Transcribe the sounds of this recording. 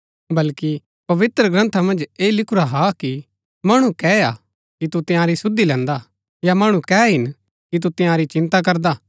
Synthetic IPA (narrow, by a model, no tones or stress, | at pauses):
bɐlki | pɐʋɪt̪ɾəɡɾɐ̃nt̪ʰamɐ̃nd͡ʒeːlɪkʰʊɾaɦaki | mɐɽ̃ũkɛːa̰ | kit̪ut̪ɪ̃jãɾisʊd̪ːilɛ̃ːnd̪a | jamɐɽ̃ũkɛːɦɪn | kit̪̬ut̪ɪ̃jãɾit͡ʃɪ̃nt̪ak̬ɐɾd̪aː